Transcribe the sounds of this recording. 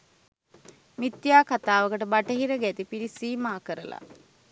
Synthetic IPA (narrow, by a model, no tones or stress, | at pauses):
mit̪ːjaːkat̪aːʋəkəʈəbaʈəɦiɾəɡæt̪ipiɾisiːmaːkəɾəla̰